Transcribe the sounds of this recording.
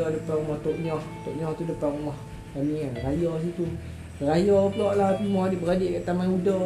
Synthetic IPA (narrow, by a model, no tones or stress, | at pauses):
ɔdəpanrumɔht̪oʔɲɔht̪oʔɲɔht̪udəpanrumɔh | kamiarajɔs̬it̪u | rajɔpəlɔʔlat̪umɔadibəɾadeʔkaʔt̪amaudɔ